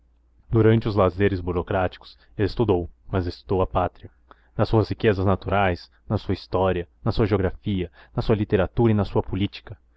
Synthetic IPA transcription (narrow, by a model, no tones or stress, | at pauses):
d̪uɾɐ̃nt͡ʃɪʊzlazeɾɪzbuɾokɾat͡ʃi̥kʊ̥s | elɪst̪ud̪owmɐzest̪ud̪owɐpat̪ɾiɐ | nɐsuɐshikezɐznat̪uɾajs | nɐsuɐist̪ɔɾiɐnɐsuɐʒeoɡɾafiɐnɐsuɐlit̪eɾat̪uɾɐinɐsuɐpulit͡ʃi̥kɐ